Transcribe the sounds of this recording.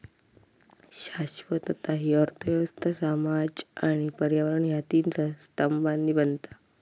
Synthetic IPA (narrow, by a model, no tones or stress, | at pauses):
ɕaɕʋət̪ət̪aɦiəɾt̪ʰəʋjəʋəst̪ʰəsamad͡ʑaɽ̃ipəɾjaʋəɾəɳjat̪int͡səst̪əmbanːiːbənt̪ḁ